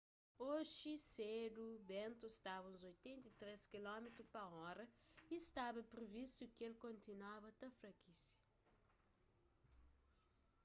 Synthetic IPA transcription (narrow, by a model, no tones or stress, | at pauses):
oʒised̪ubẽnt̪uist̪aβɐũzojt̪ẽnt̪ɐit̪ɾeskilɔmet̪ɾupɐɔɾɐist̪aβɐpɾivist̪ukelkõnt̪inwaβɐt̪ɐfɾɐkʰisɐ̥